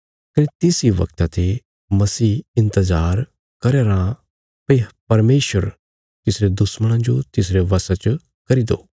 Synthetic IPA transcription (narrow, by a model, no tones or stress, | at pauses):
kɐnet̪ɪsiʋɐ̰kt̪at̪ʰe | mɐsiːɪ̃nt̪əzaːɾ | kɐɾeːɾã | pɐipɐɾmeːʃəɾ | t̪ɪsɾed̪ʊsməɽ̃ãd͡ʒot̪ɪs̬ɾeʋɐsat͡ʃ | kɐɾid̪o̰ː